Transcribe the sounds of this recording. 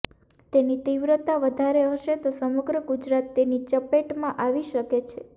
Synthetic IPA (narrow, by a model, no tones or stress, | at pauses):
t̪enit̪iʋɾət̪aʋəd̪ʱaɾeɦəʃet̪osəməɡɾəɡud͡ʒɾat̪ːenit͡ʃəpeʈmãʔaʋiʃəket͡ʃʰe